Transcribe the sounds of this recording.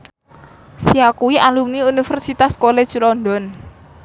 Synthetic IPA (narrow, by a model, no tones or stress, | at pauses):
siakuwiʔalumniunifɛrsit̪askole̥ʒ̥lɔnd̪ɔn